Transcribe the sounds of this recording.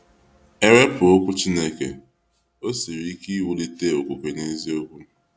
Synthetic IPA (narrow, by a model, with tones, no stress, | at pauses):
e˦ɾe˦pʊ˨o˦kʷʊ˦t͡ʃi˦ne˦kḛ˨ | o˦si˨ɾi˦ki˦wu˨li˦te˦o˨kʷo˨ke˨ne˦zi˦o˦kʷu˦